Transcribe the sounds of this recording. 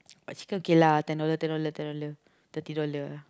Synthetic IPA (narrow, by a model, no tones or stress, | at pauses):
ba̰ʔt͡ʃi̥kənkelat̪ɛnolət̪ɛnolət̪ɛnolə | t̪ət̪idolə